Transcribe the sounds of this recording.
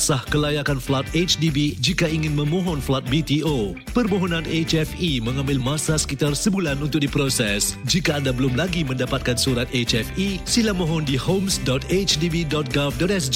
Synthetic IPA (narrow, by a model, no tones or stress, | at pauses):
sahkəlajakanflat̪̚et͡ʃdibid͡ʒikaiŋɪ̃nmə̃mɔ̃ɦɔnflat̪̚bit̪io | pərmoɦɔnãnet͡ʃɛfimə̃ŋãmbɪlmãsasə̥kit̪arsəbulanunt̪ʊk̚dipɾosɛsd͡ʒikaːndabəlʊmlaɡimə̃ndapat̪̚kansuɾat̪et͡ʃɛfisilamɔɦɔndihomsdɔt̪et͡ʃdibidɔt̪̚ɡafdɔt̪ɛsd͡ʒ